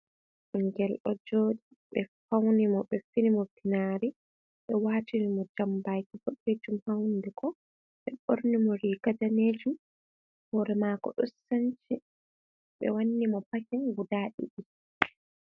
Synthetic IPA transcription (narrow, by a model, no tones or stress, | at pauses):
ʔuŋɡɛlʔɔd͡ʒoːɗi | ɓɛfawnimɔɓɛfinimɔbinaɾi | ɓɛwaːtiɾimɔd͡ʒambajkifoɗed͡ʒumhawndɛkɔ | ɓɛɓo̰ɾnimɔɾiɡadaneːd͡ʒum | hɔɾɛmakɔ̰ɗɔsːant͡ʃi | ɓɛ̰wanːimɔpakɛnɡudaːɗḭɗi